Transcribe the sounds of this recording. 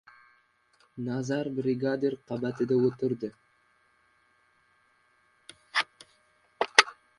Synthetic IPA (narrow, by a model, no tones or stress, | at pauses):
nɑzɑɾbrʲɪɡad̪ʲeɾqʰɑbæt̪ɪd̪awɵt̪ɪɾd̪ɪ